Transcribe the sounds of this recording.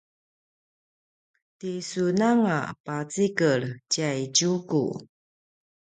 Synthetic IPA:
tisunaŋa̰pat͡sikəɭcajɟukṵ

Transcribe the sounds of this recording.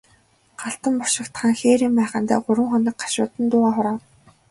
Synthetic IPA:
ɢ̥aɬt̪ə̆mpɔrʃɪ̆kt̪χaːŋxeːɾiːmpæːχə̆nt̪æ̰ːɢʊɾwə̆ŋχɔnɞ̆k̚ɢḁʃʊːt̪ə̆nt̪ʊːʁaːχʊɾaː

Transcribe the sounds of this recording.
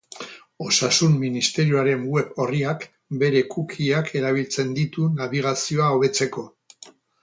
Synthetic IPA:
o̞sasumːinist̪e̞ɾioaɾe̞ŋwe̞po̞riak | be̞ɾe̞kʰukʰiakʰe̞ɾaβ̞ilt͡se̞nd̪it̪unaβiɣ̞asio̞aoβe̞t͡se̞ko̞

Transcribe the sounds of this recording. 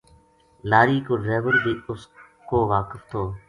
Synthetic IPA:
laːɾiːkoːɾeːʋəɾbʱiːʊs | koːʋaːkəft̪ʰoː

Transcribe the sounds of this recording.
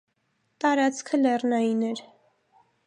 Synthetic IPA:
t̪ɑɾɑt͡skʰəlɛrnɑjinɛɾ

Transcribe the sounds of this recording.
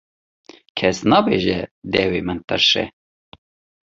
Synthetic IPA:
kʰɛsnɑːbeːʒɛd̪ɛwemɨnt̪ɨɾʃɛ̰

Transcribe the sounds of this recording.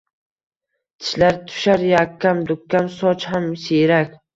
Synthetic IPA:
t̪ʰɪ̥ʃlaɾt̪ʰʊ̥ʃaɾjakʲʰːamd̪ʊkʲʰːamsɒt͡ʃhamseɾakʲ

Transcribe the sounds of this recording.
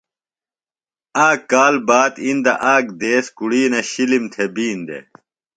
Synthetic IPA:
aːkaːlbaːd̪ind̪ɐʔaːɡd̪eːskuɽiːnɐɕilimt̪ʰebiːnd̪ḛ

